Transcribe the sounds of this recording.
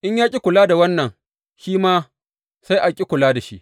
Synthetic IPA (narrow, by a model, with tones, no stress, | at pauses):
ʔɪ˦ɲjaː˦kʲʼi˦kʷʊ˨laː˦da˨wɐ˦nːɐ˨ŋ | ʃiː˦maː˦ | sa˦jʔa˨kʲʼi˦kʷʊ˨laː˦da˨ʃḭ˦ʔ